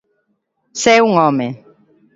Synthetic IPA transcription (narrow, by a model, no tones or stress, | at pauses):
sɛuŋɔ̃mɛ